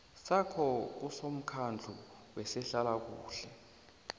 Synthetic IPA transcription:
sakʰɔk̬usom̩kʰand͡ɮʱu | wɛsɛɬalak̬uːɬɛ

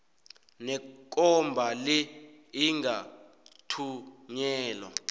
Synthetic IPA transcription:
nɛk̬ʼɔmbʱali | iŋɡa | tʰuɲɛːlɔ

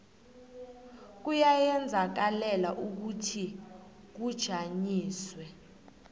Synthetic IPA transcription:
k̬ujajɛnd͡zʱak̬alɛlaʔuk̬utʰi | k̬ud̥ʒ̥ʱaɲiːswɛ

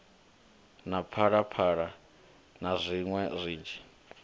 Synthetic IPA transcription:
napʰaɺapʰaːɺa | nazʷiŋwɛzʷiːnd͡ʒʱi

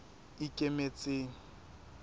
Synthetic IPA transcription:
ɪkʼemet͡sʼeːŋ̩

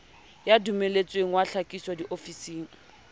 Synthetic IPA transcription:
jadumelet͡sʼweŋ̩waɬakʼiswadiʔofisiːŋ̩

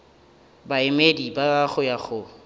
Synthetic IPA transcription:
baɪmedibaaɣʊjaɣʊ

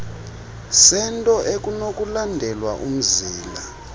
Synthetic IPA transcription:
sɛntʼɔʔekʼunokʼulandʱɛlwaʔum̩ziːla

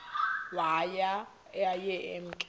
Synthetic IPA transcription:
waja | ajɛʔɛm̩kʼ

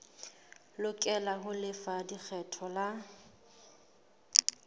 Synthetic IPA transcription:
lʊkʼɛlaɦʊlɪfadik͡xʰɛtʰɔla

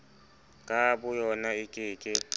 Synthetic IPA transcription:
kʼabʊjɔnaɪkʼɪːkʼɪ

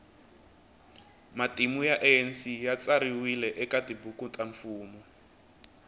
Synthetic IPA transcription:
matimujaʔɛɛnsijat͡saɾiwilɛʔɛkatibukutaɱfuːmɔ

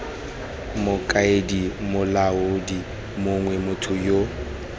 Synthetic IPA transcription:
mʊkʼaedimʊlaʊdi | mʊŋwɛmʊtʰʊjo

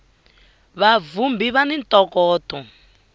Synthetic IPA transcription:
βavumbiβanintɔkɔːtɔ

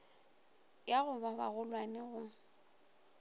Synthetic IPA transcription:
jaɣʊbaba̰ɣʊlwanɪɣʊ

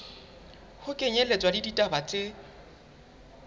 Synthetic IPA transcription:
hʊkʼeɲelet͡sʼwadiditʼabat͡sʼɪ

